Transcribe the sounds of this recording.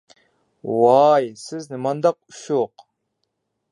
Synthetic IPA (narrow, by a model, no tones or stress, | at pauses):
wɑjsɪznɪmɑnd̪ɑq̚uʃoq